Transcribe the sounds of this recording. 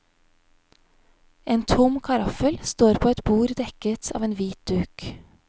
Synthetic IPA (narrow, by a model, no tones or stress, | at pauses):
ʔeːnt̪ʰʊmkʰɑɾɑfəlst̪oːɾpʰoːɛt̪buːɾd̪ɛkət̪ʰɑ̰ːʋeːnʋiːt̪̚d̪̥ʉːk